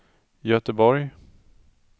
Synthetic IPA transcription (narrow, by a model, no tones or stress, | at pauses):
jœt̪əbɔɾj